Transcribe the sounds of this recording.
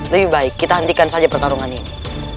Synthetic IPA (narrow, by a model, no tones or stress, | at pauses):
ləbihbaɪkːit̪aɦənt̪ikansad͡ʒapərt̪aɾuŋanini